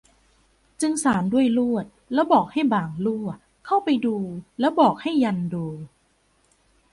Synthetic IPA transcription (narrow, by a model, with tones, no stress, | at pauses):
t͡ɕɯ˧ŋsaː˩˦ndu˥˩əjlu˥˩ət̪̚lɛː˦˥wbɔː˨˩k̚ha˥˩jbaː˨˩ŋluː˥˩ | kʰa˥˩wpa˧jduː˧lɛː˦˥wbɔː˨˩k̚ha˥˩jːa˧nduː˧